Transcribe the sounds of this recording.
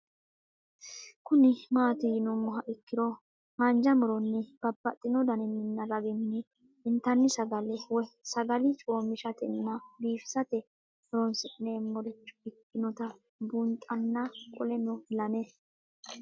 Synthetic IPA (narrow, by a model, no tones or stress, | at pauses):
kʊnɪmaːt̪ɪjɪnʊmːɔɦɐʔɪkːɪɾɔ | hɐnd͡ʒɐmʊɾɔnːɛb̥ɐbːɐt̪ʼːɪnɔd̪ɐnɪnːɪnːɐɾɐɡɪnːɛ | ɪnt̪ɐnːɪsɐɡɐlɛwɔsɐɡɐlɪt͡ʃʼoːmɪʃɐt̪ɛnːɐbiːfɪ̥sɐt̪ɛ | mɔɾɔnsɪʔɪneːmːɔɾɪt͡ʃːʊ̥ɪkːɪnɔt̪ɐ | bʊnt̪ʼɐnːɐkʼɔlɛnɔlɐnɛ